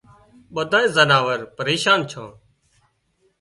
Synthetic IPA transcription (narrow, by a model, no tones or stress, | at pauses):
ɓəd̪ʱaːẽːzənaːʋəɾpəɾeːʃaːnt͡ʃʰãː